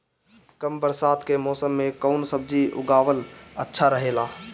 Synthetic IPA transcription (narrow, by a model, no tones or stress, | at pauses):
kəmbəɾsaːt̪kemɔːsəmːekəʊnsəb̚d͡ʒiʔʊ̰ɡaːʋələ̰tːʃʰaɾəɦelaː